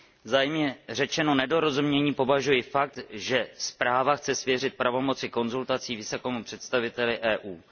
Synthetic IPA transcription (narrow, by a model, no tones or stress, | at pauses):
vzaːjmɲɛrɛt͡ʃɛno̞nɛdo̞ɾo̞zumɲɛɲiːpo̞vaʒujɪfak̚t̪ʒɛspɾaːvaxt͡sɛsvjɛr̝ɪt̪̚pɾavo̞mo̞t͡sɪko̞nzult̪at͡siːvɪsokɛːmupr̝̥ɛt̪st̪avɪt̪ɛlɪʔɛːʔuː